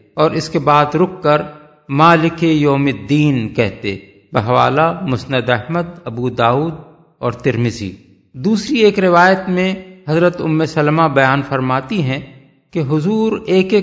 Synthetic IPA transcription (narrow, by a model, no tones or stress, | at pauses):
ɔːɾɪskebaːd̪ɾʊkːəɾ | maːlɪkejoːmɪd̪ːiːnkɛɦt̪ḛ | bɐɦʋa̰ːlamʊsnəd̪ɛɦməd̪ɐbud̪aːuːd̪̚ | ɔːɾt̪ɪɾmɪzḭː | d̪uːsɾieːkɾɪʋaːjət̪mẽɦɐzɾət̪ʊmːesɐlmabɐjaːnfɐɾmaːt̪iɦɛ̃ | keɦʊzuːɾeːke